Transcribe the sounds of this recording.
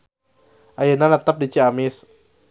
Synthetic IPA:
ʔajənanat̪ap̚dit͡ʃiamɪs

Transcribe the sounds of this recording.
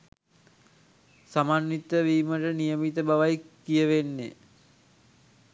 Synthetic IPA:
samaːnːit̪əʋiːməʈənijəmit̪əbaʋajkːijəʋenːḛ

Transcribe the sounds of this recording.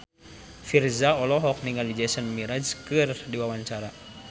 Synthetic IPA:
firzaɔlɔɦɔk̚niŋalid͡ʒɛsənmiɾad͡ʒkɨrdiwawaɲt͡ʃaɾa

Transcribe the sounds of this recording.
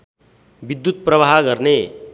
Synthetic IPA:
bid̪ːut̪̚pɾəʋaɦɡəɾne

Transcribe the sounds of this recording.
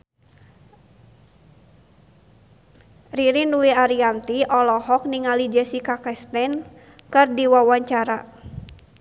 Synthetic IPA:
riɾinuiaɾiant̪iʔɔlɔhɔk̚niŋalid͡ʒɛsikakɛst̪ɛn | kɨrdiwawaɲt͡ʃaɾa

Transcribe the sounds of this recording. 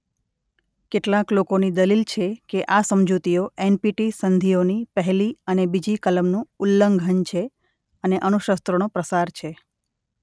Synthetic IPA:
keʈlaklokonid̪əlilt͡ʃʰekeʔasəmd͡ʒut̪ioenpiʈisənd̪ʱionipəɦɛliənebid͡ʒikələmnũulːəŋɡʱənt͡ʃʰe | əneʔənuʃəst̪ɾonopɾəsaɾt͡ʃʰe

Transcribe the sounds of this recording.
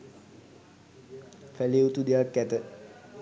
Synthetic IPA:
fæleut̪ud̪eakːæt̪ə

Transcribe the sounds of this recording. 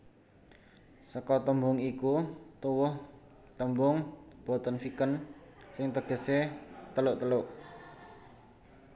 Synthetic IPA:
səkɔt̪əmbʊŋikut̪uwʊh | t̪əmbʊŋb̥ɔ̤t̪ənfikənsɪŋt̪əɡ̥ə̤set̪əlʊʔt̪əlʊʔ

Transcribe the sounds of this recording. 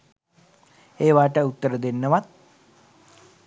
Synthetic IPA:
eːʋaːʈəut̪ːəɾəd̪enːəʋat̪̚

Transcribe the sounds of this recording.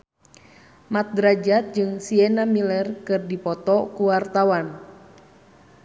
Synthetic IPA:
mat̪̚dɾad͡ʒat̪̚d͡ʒɨŋsiɛnamilɛrkɨrdipɔt̪ɔkuwart̪awan

